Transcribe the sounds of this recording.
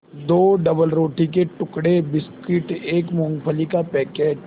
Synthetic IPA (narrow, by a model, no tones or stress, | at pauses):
d̪oːɖɐbəlɾoːʈik̬eʈʊkɽebɪskɪʈeːkmɔ̃ːŋɡpʰəlikapɛːkeːd͡ʒ